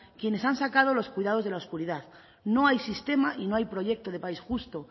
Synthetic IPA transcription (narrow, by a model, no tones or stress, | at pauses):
kje̞ne̞sansakað̞o̞lo̞skwuijðað̞ozðe̞laoskuɾiðað | no̞ajsist̪e̞maʔino̞ajpɾo̞ʝe̞k̚t̪oð̞e̞paisxust̪o̞